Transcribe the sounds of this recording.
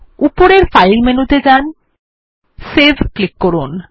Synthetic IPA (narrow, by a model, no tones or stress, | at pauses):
upoɾeɾfajlmenut̪ed͡ʑan | sezklikːoɾun